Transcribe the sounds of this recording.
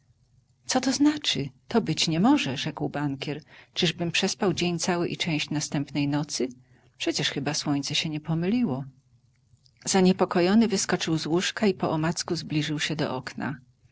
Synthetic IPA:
t̪sɔt̪ɔznat͡ʂɘt̪ɔbɘt͡ɕɲɛmɔʐɛʐɛkwbaŋkʲjɛɾt͡ʂɘʐbɘmpʂɛspawd͡ʑeɲt̪sawɘʔit͡ʂɛ̃w̃ɕt͡ɕnast̪ɛmpnɛjnɔt̪sɘ | pʂɛt͡ɕɛʂxɘbaswɔɲt̪sɛɕɛɲɛpɔmɘlʲiwɔ | z̥aɲɛpɔkɔjɔnɘvɘskɔt͡ʂɘwzwuʂkaipɔʔɔmat̪skuzblʲiʐɘwɕɛd̪ɔ̰ʔɔkna̰

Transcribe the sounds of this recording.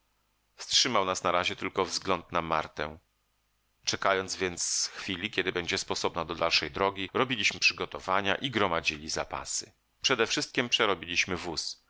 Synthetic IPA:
fstʂɘmawnasnaɾaʑɛt̪ɘlkɔvzɡlɔnt̪nama̰ɾt̪ɛ | t͡ʂɛkajɔnd̪zvʲjɛnt̪sxfʲilʲikʲɛd̪ɘbɛɲd͡ʑɛspɔsɔbnad̪ɔd̪alʂɛjd̪ɾɔɡʲiɾɔbʲilʲiɕmɘpʂɘɡɔt̪ɔvaɲa̰ʔiɡɾɔmad͡ʑilʲizapa̰sɘ̥ | pʂɛd̪ɛfʂɘst̪̚kʲimpʂɛɾɔbʲilʲiɕmɘvus

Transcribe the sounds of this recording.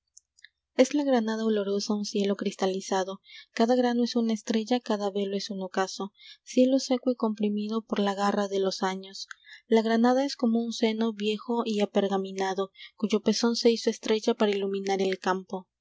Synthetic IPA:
e̞zlaɣɾanað̞aolo̞ɾo̞saunsje̞lo̞kɾist̪alisaðo̞kaðaɣɾano̞e̞sunaest̪ɾe̞ʝakaðaβe̞loe̞suno̞kaso̞sje̞lo̞se̞kwoiko̞mpɾimiðopo̞ɾlaɣaraðe̞losaɲo̞slaɣɾanaðae̞sko̞mounse̞no̞βje̞xo̞ʔiapeɾɣamĩnaðo̞kuʝo̞pe̞so̞nse̞iso̞est̪ɾe̞ʝapaɾailumĩnaɾe̞lkampo̞

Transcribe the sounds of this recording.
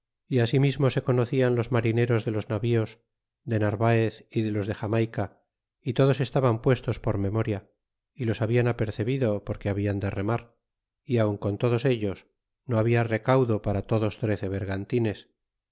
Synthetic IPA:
iasimizmo̞se̞ko̞no̞θianlozmaɾine̞ɾo̞zðe̞lo̞znaβio̞z | ðe̞naɾβaeθiðe̞lo̞zðe̞xamajka | it̪o̞ðo̞se̞st̪aβampwe̞st̪o̞spo̞ɾme̞mo̞ɾja | ilo̞saβianape̞ɾθe̞βiðo̞po̞ɾke̞aβiand̪e̞remaɾ | iawŋko̞nt̪o̞ð̞ose̞ʎo̞s | no̞aβiare̞kawðo̞paɾat̪o̞ðo̞st̪ɾe̞θe̞βe̞ɾɣant̪ine̞s

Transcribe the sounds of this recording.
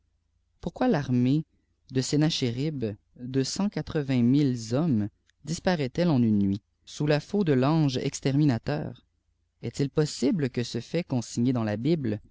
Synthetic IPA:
puʁkwalaʁme | d̪əsenaʃeʁib | d̪øsɑ̃kat̪χəvɛ̃milzɔm | d̪ispaʁɛt̪ɛlɑ̃nynːɥi | sulafod̪əlɑ̃ːʒɛ̰kst̪ɛʁminat̪œ̰ːʁ | ɛt̪ilpɔsibləkəsəfɛkɔ̃siɲed̪ɑ̃labibl

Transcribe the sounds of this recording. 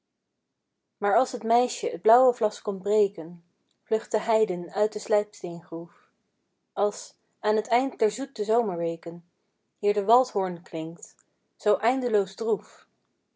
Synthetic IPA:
maːɹɑlˠsɦətmɛjʃəəd̚blʌwəvlɑskɔmbrejkən | v̥lɵχtəɦɛjdənœɥt̚dəslɛɥpstejnχruf | ɑlˠs | aːnɦətɛjnt̚dɛɹzut̚dəzowməɹʋejkən | ɦɪːɹdəʋɑlˠtɦɔɹnklɪŋkt | z̥owʔɛjndəlowzdruf

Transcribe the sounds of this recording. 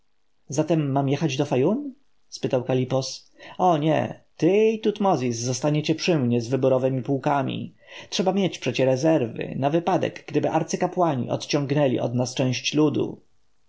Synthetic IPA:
zat̪ɛmːamjɛxad͡ʑd̪ɔfajum | spɘt̪awkalʲipɔs | ɔɲɛ̰t̪ɘit̪ut̪mɔzʲisːɔst̪aɲet͡ɕɛpʂɘmɲɛzvɘbuɾɔvɛmʲipuwkamʲḭtʂɛbamʲjet͡ɕpʂɛt͡ɕɛɾɛzɛɾvɘ̰navɘpad̪ɛ̰ɡɡd̪ɘbɘʔaɾt̪sɘkapwaɲḭʔɔ̰t̪t͡ɕɔ̃ŋɡnɛlʲḭʔɔ̰d̪nast͡ʂɛ̃w̃ɕt͡ɕlud̪ṵ

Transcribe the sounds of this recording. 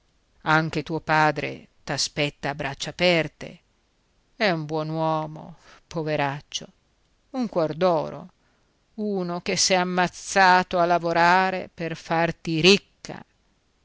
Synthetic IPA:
aŋk̟et̪uːopaːd̪ɾḛt̪aspɛt̪ːaːbɾʔat͡ʃːaːpɛrt̪ḛ | ɛumbwɔnwɔːmo̰poveɾat͡ʃːo | uŋkwɔrd̪ɔːɾo̰ | uːnok̟esɛamːat̪sːaːt̪oalːavoɾaːɾḛperfart̪iɾikːa̰

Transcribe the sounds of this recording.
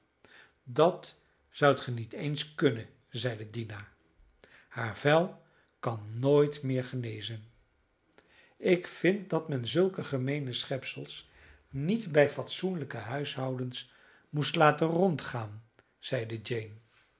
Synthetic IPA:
dɑt | zʌwtχənitejnskɵnə | zɛjdədina | haːɹvɛlˠ | kɑnːoːjtmɪːɹχənejzən | ɪkfɪnt̚dɑtmɛnzɵlˠkəχəmejnəsχɛpsəlˠs | nitbɛjfɑtsunləkəɦœɥsɦʌwdəns | mustlaːtərɔntχaːn | z̥ɛjdəd͡ʒejn

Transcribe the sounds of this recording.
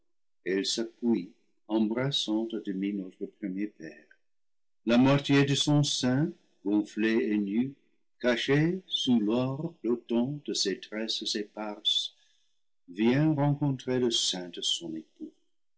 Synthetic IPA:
ɛlsapwi | ɑ̃bʁasɑ̃t̪adəminot̪χəpχəmjepɛːʁ | lamwatjedəsɔ̃sɛ̃ | ɡ̥ɔ̃fleeny | kaʃesulɔʁdot̪ɑ̃d̥əsetʁɛszepaʁs | vjɛ̃ʁɑ̃kɔ̃t̪χeləsɛ̃dəsɔ̃nepu

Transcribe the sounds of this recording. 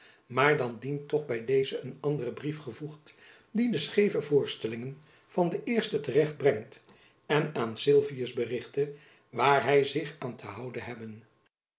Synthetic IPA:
maːɹdɑndintɔχbɛjdejzəənɑndərəbrifχəvuχt | didəsχejvəvʊːɹstɛlɪŋən | v̥ɑndəʔɪːɹstətərɛχd̚brɛŋt | ɛnaːnsɪlˠvijəzbərɪχtə | ʋaːɹɦɛjzɪχaːntʰəɦɑwdənɦɛbən

